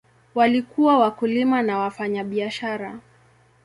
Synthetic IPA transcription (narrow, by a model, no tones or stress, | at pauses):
walikuwawakulimanawafaɲaɓiaʃaɾa